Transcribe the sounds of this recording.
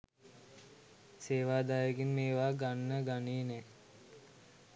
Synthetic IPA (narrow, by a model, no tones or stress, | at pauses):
seːʋaːd̪aːjəɡinmeːʋaːɡanːəɡaneːnɛ